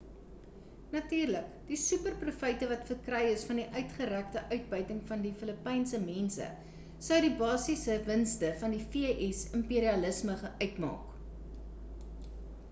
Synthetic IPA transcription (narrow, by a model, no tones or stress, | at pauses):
nɐtyːrlək | d̥isʉpərprufəjtəvɐtfərkrɛjəsfɐndiʔœɥtχəɾæktəʔœɥt̚bœɥtəŋfɐndifələpɛjnsəmɛnsə̰ | sɐwdibɑːsisəvənstəfɐndifiəʔɛsəmpiːɾiɐləsməχœɥtmɑ̰ːk